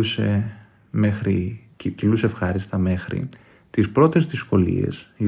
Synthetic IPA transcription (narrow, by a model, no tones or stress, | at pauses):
use̞ | me̞xɾi | cilusefxɐɾist̪ɐme̞xɾḭ | t̪ispɾo̞t̪e̞zðisko̞lḭḛsi